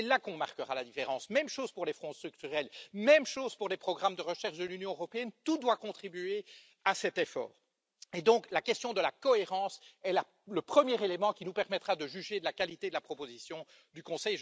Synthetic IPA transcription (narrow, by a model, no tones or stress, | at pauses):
ɛlakɔ̃maʁkəʁalad̪ifeʁɑ̃ːsmɛmʃoz̥puʁlefχɔ̃d̪st̪χyk̚t̪yʁɛlmɛmʃoːz̥puʁlepχɔɡʁamd̪əʁəʃɛʁʃd̪əlynjɔ̃øʁɔpeɛnt̪ud̪wakɔ̃t̪χibye | asɛt̪efɔ̰ːʁ | ed̪ɔ̃klakɛst̪jɔ̃d̪əlakɔeʁɑ̃ːsɛla | ləpχəmjɛʁelemɑ̃kʲinupɛʁmɛt̪χad̪əʒyʒed̪əlakalit̪ed̪əlapχɔpozisjɔ̃ | d̪ykɔ̃sɛj